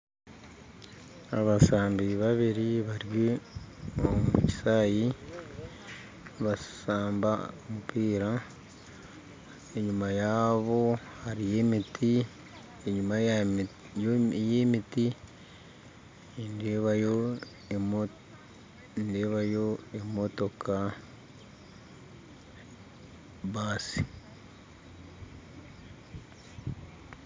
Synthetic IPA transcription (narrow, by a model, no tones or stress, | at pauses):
a̰βasaːmbiβaβiɾiβaɾje | omuci̥saːji | βasaːmba̰omupʰiːɾa | e̞ɲumajaβo̞haɾije̞mitʰi | eɲuma | jjemiti | endeβajo | nde̞ːβajo̞e̞mo̞to̞kʰa | baːsi̥